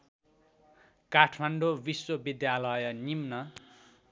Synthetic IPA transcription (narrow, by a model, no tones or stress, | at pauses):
kaʈʰmaɳɖobiswʌbid̪jalʌjʌnimnʌ